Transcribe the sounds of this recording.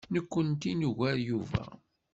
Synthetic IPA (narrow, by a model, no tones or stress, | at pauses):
nəkʷːənt̪inuʝæɾjuvæ̰